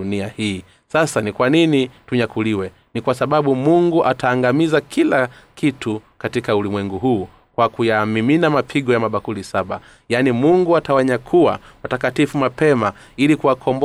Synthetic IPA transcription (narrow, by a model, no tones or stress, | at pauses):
uniahiː | sasanikwaninituɲakuliwɛ | nikwasaɓaɓumuŋɡuʔataːŋɡamizakʰilakʰitukatikaulimwɛŋɡuɦuː | kwakujamiminamapʰiɠɔjamaɓakulisaɓa | janimuŋɡuatawaɲakʰuwa̰watakatifumapɛma | ilikuwakʰɔmb